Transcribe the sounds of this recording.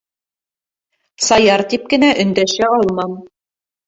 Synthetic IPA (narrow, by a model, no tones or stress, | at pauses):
t̪sɑjɑɾt̪ip̚kɘ̆næʔɵ̆nd̪æʃæɑlˠmɑm